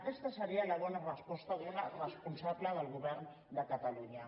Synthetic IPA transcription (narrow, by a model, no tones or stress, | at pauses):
kɛst̪əsəɾiələβɔnarəspɔst̪aðunarəspunsabləðəlˠɣuβɛɾn | d̪əkət̪aluɲə